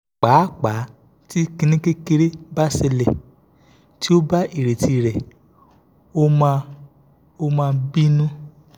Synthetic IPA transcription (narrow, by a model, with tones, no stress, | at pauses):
k͡paː˨˦k͡pa˨˦ | ti˦kĩ˧nĩ˦ke˦ke˧ɾe˦ba˦se˧lɛ˨ | ti˦o˦ba˦i˦˨ɾe˨ti˧ɾɛ˨ | o˦˧ | o˦mãː˧bi˦nũ˦